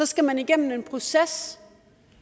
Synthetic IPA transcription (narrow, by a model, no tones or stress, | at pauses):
ɒ̽sɡ̥æmæniɡ̥en̰n̩e̝npʰʁo̝ses